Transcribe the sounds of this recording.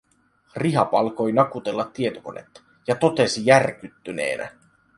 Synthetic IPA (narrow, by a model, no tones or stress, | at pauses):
riɦɑpɑlko̞jnɑkut̪e̞lːɑt̪ːiet̪oko̞̰ne̞̰t̪ː | jɑt̪o̞t̪e̞sijærk̟yt̪ːyne̞̰ːnʔæ̰